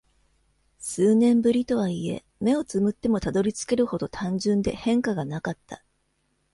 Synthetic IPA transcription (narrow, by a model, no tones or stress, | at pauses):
sɨːnẽ̞mbɯ̟ɾʲit̪o̞β̞aie̞̰ | me̞o̞t͡sɨmɯ̟t̪ːe̞mo̞t̪ad̪o̞ɾʲit͡sɨ̥ke̞ɾɯ̟ho̞d̪o̞t̪ʰãɲ̟d͡ʑɨ̃nd̪e̞hẽ̞ŋkaɡanakat̪ːa